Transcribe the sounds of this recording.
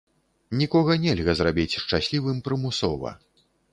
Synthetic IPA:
nʲikɔɣɐnʲɛlʲɣɐzrabʲit͡sʲʂt͡ʂasʲlʲivɨmpɾɨmusɔ̰vɐ̰

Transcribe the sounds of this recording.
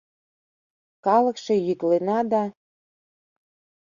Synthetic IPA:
kɑlɤ̆kʃĕjyklenɑd̪ɑ

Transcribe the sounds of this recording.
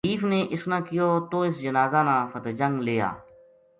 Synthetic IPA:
iːfneːʔɪsnãːkɪjoːt̪oːɪsd͡ʒənaːzaːnãːfət̪d͡ʒə̃ŋɡleːa̰ː

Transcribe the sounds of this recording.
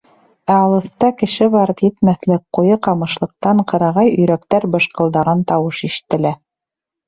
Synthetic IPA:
æɑlˠɤ̆θt̪ɑkɘ̆ʃɘβɑɾɤpjɘ̆t̪mæθlɘk̚qujɤqɑmɤ̆ʃlˠɤ̆q̚t̪ɑɴqɤ̆ɾɑʁɑjɵ̆jɾækt̪æɾbɤ̆ʃqɤ̆lˠd̪ɑʁɑnt̪ɑwɤʃiʃɘ̥̆t̪ːɘ̆læ

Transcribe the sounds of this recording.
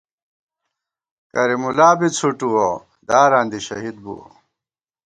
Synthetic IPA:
kɐɾimulaːbit͡sʰuʈuwo | d̪aːɾaːnd̪iɕɐ̰ɦid̪̚bṵwo̰

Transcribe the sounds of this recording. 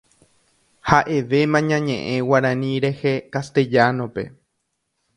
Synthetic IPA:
haʔe̞ʋe̞mãɲãɲẽʔẽwaɾãnĩɾehekast̪e̞d͡ʒanõ̞pe̞̰

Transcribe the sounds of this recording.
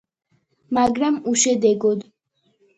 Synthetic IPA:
maɡɾamuʃɛd̪ɛɡɔd̪

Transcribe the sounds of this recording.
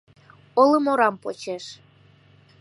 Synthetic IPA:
oləmoɾɑmpot͡ɕeʃ

